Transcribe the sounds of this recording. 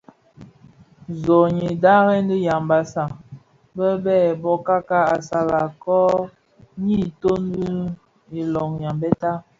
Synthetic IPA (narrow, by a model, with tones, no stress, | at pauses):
zɔ˨ɲi˨da˦ɣɛ˦n˦di˦ja˨mba˨sa˨ | bə˦bɛ˦˨bɔ˦ka˦ka˦a˨sa˨la˨kɔ˦ | ɲi˦to˦n˦di˦ | i˨lɔ˨ŋja˨mbɛ˦ta˦